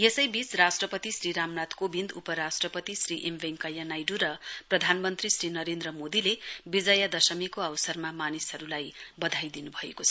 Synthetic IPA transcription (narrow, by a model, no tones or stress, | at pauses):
jesʌjbit͡srasʈrʌpʌt̪isriɾamnat̪kobind̪upʌɾasʈrʌpʌt̪isriʔembeŋkʌjanajɖuɾʌprʌd̪ʱanmʌnt̪risrinʌɾend̪rʌmod̪ilebid͡zʌjad̪ʌsʌmikoʌwsʌrmamanisɦʌɾulajbʌd̪ʱajd̪inubʱʌḛkot͡sʰʌ